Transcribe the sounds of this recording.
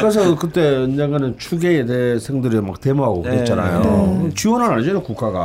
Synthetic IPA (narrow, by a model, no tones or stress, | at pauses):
kɯɾes̬ʰʌkɯt͈e̞ɯnd͡ʑaŋanɯnt͡ɕʰuɡeːtesʰeŋdɯɾima̰k̚temoɦaɡopt͡ɕ͈ʰana̰jokɯt͡ɕiwʌnɦanaɭid͡ʑenokuk͈ʰaɡa̰